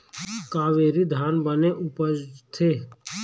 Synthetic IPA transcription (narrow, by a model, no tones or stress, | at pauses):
kaːʋeːɾid̪ʱaːnbəneʔʊpət̪ʰeː